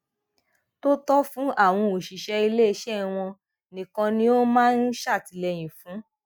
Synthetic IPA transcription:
to˦tɔ˦fũ˨˦ʔa˦˨w̃ɔ̃˧o˨ʃi˨ʃɛ˧i˧le˦i˧ʃɛ˦˨w̃ɔ̃˧ | nĩ˨kã˧nĩ˦o˦mãː˦n̩˦ʃa˦˨ti˧lɛ˧j̃ĩ˨fũ˨˦

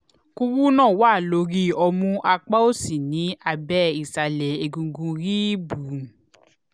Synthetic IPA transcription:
ku˧wu˦nãː˦˨wa˦˨lo˧ɾi˦ɔ˧mũ˧ʔa˧k͡pa˦o˦si˨nĩ˨˦a˧bɛ˦i˨sa˨lɛ˨e˧ɡũ˧ɡũ˧ɾi˦bu˨

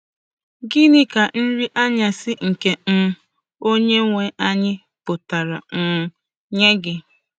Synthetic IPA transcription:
ɡi˦nɪ˦ka˨n̩˦ɾi˦ʔa˦ɲa˨sɪ˦ŋ̩˨ke˦m̩˦ | o˦ɲe˦ŋʷe˨ʔa˦ɲɪ˦ | pʊ˨ta˨ɾa˨ŋ̩˨ | ɲe˦ɡɪ˦

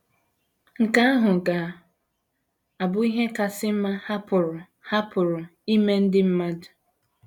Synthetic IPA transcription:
ŋ̩˨ka˦a˦ɦʊ˨ɡa˨ | a˨bʊ˦i˦ɦe˦ka˨sɪ˦m̩˦ma˦ha˦pʊ˨ɾʊ˨ | ha˦pʊ˨ɾʊ˨i˦me˦n̩˦dɪ˦m̩˦ma˦dʊ˨

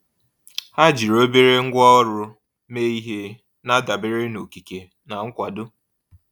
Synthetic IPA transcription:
ha˦d͡ʒi˨ɾo˦be˦ɾe˦ŋ̩˦ɡʷɔ˦ɔ˦ɾʊ˦ | me˦i˦ɦe˦ | na˦da˨bɪ˦ɾɪ˦no˨ki˨ke˨ | na˨ŋ̩˦kʷa˨dʊ˦

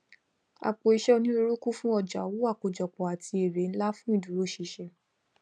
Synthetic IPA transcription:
a̰˨k͡po˨i˧ʃɛ˦˧nĩ˦o˧ɾo˦ku˦fũ˦ɔ˦˨d͡ʒa˨˦wo˦a˦˨k͡po˨d͡ʒɔ˨k͡pɔ˨a˨tʰi˧e˨ɾe˨˦n̩˦la˦fũ˦i˦˨du˨ɾo˦ʃi˧ʃɛ˧

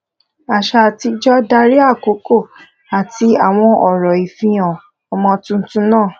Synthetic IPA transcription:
a˨ʃa˧˨ti˧d͡ʒɔ˦da˧ɾi˦a˦˨ko˨˦ko˦˨ | a˨ti˧a˨w̃ɔ̃˧ɔ˨ɾɔ˨i˨fĩ˧j̃ã˨ | ɔ˨mɔ̃˧tũ˧n̩˦tũ˦nãː˦˨

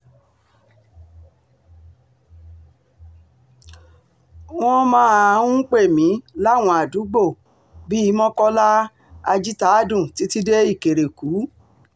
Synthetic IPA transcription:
w̃ɔ̃˦mãː˦a˧ũ˦k͡pe˦˨mĩ˨˦la˦˨w̃ɔ̃˧a˨du˨˦ɡ͡bo˦˨ | bi˦i˦mɔ̃˦kɔ˦la˦ | a˧d͡ʒi˦ta˦a˦˨dũ˦˨ti˨˦ti˦de˦i˦˨ke˨ɾe˨kuː˨˦

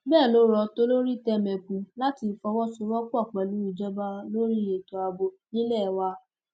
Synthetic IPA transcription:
bɛː˦˨lo˨˦ɾɔ˧to˦lo˦ɾi˦tɛ˦mɛ̃˨kũ˨la˦ti˧˨fɔ˧˦wɔ˦su˧˦ɾɔ˦ku˦a˦˨k͡pɛ˨lu˨˦i˨d͡ʒɔ˦ba˧lo˦ɾi˦je˨to˨a˧bo˧nĩ˦lɛ˦˨wa˧˦

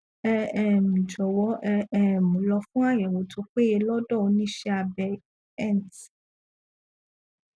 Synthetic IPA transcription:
ɛ˧ɛ˦˨m̩̃˨d͡ʒɔ˨wɔ˨˦ʔɛ˧ɛ˦˨mũ˨˦lɔ˧fũ˦a˦˨jɛ˨wo˨˦tʰo˧˦k͡pe˦je˧lɔ˦dɔ˦˨o˧nĩ˦ʃɛ˧a˧˨bɛ˧ | ɛ˦˨n˨t

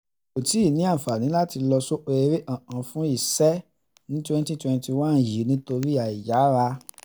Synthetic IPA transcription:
o˨ti˨˦˨nĩ˨˦ã˦˨fa˨nĩ˨˦la˦ti˧lɔ˧so˦ʔo˧e˧˦ɾe˦ʔã˦˨ʔã˨fũ˦i˦˨sɛ˦ | nĩ˦twɛ̃˦˧n˦tĩ˦twɛ̃˧n˦ti˧wã˦˨n̩˨ji˨˦nĩ˦to˧ɾi˦a˨i˨ja˨˦ɾa˧

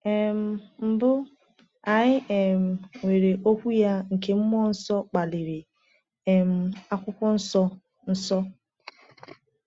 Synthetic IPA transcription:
e˨m̩˦˨m̩˨bʊ˦ | a˨ɲɪ˦ʔe˨m̩˨we˨ɾe˨ʔo˦kʷu˦ja˦ŋ̩˨ke˦m̩˦m˦ɔ˦n̩˦sɔ˦k͡pa˨lɪ˨ɾe˨ | e˨m̩˨a˦kʷʊ˦kʊ˦n̩˦sɔ˦ | n̩˦sɔ˦

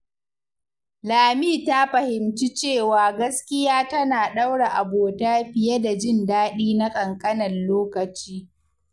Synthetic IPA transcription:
laː˨miː˦˨ta˦ɸɐ˨hɪ˨mt͡ʃi˦t͡ʃeː˦˨waː˨ɡɐ˦skʲɪ˦jaː˦tɐ˦naː˨ɗa˦wɽa˨ʔa˨boː˨taː˦ɸɪ˨je˦da˨d͡ʒɪ˦ndaː˦ɗiː˦na˦kʼɐ˨ŋkʼɐ˦nɐ˨nloː˦kɐ˨t͡ʃiː˦

